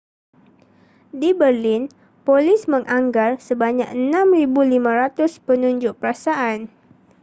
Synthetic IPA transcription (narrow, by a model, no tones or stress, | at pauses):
dibərlɪn | polɪsməŋʔaŋɡarsəbaɲak̚ənamribulimãɾat̪ʊspənuɲd͡ʒʊʔ̚pəɾasaʔan